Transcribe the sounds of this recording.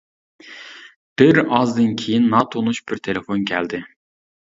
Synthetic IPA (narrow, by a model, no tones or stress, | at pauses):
b̥ɪɾɑzd̪ɨnkʲʰejinːɑt̪ʰonuʃb̥ɪɾt̪ʰelefonkʲʰæld̪ɪ